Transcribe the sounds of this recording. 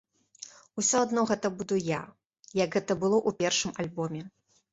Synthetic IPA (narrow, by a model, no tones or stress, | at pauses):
usʲɔad̪nɔɣɛt̪ɐbud̪uja | jɐɡɣɛt̪ɐbɨlˠɔʔupʲɛrʂɨmalʲbɔmʲɛ